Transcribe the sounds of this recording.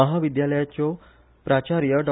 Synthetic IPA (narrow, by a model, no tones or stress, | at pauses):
əɦaʋid̪jaləjat͡ɕɔ | pɾat͡ɕaɾjəɖɔ